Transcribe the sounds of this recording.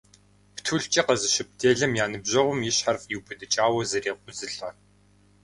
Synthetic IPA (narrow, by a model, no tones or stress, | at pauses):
ptʰuɮt͡ʃʼɐqɐzɨɕɪp̚dʰeːɮɨmjaːnɨbʑɐʁʷʊmjɪɕħarfjiwbɨdɨt͡ʃʼaːwɐzɐreːqʷʊzɨɬɐ